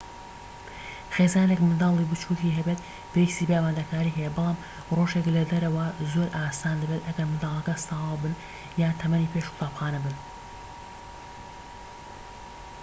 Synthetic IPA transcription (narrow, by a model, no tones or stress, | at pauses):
xeːzaːnekmɨnd̪aːlˠibɨt͡ʃuːtiɦɐbeːt̪̚ | b̥ejist̪iːbeaːmaːd̪ɐkaːɾiːɦɛjɛbɨlˠaːm | roːʒeklɐd̪ɐɾɐwɐzo̞ɾʔaːsaːnd̪ɨbet̪ʔɐɡɐɾmɨnd̪aːlˠɐkɐst̪ɑːwɑbɨn | jaːnt̪ʰɐmɐniːpʰeʃkʊ̥t̪aːpxaːnɐbɨn